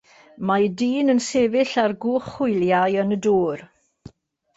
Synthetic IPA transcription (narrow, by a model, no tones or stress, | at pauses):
majdiːnənsevɪɬarɡuːχʊjljajənəduːr